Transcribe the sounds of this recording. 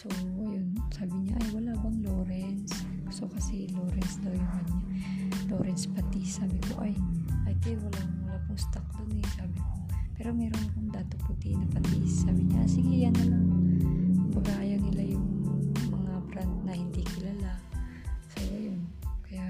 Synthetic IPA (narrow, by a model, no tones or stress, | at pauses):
soʔɐjonsaːbɪɲaʔɐjwɐlaːbɐŋloːɾɛns | sokɐsɛloːɾɛnsd̪awjʊŋbɐɲalo̞ːɾɛnspɐt̪isːaːbɪko̰ʔɐjʔɐjt̪ɛwɐlawɐlapʊŋst̪ak̚d̪ʊnɛsaːbɪkopɛːɾo̞mɛːɾonɐkʊŋd̪aːt̪opʊt̪inɐpɐt̪isːaːbɪɲaʔsɪɡɪjanːɐlaŋ | pɐɡaːjɐŋnɪlajʊŋmɐŋabɾant̪̚nɐhɪnd̪ikɪlala | soʔɐjonkɐja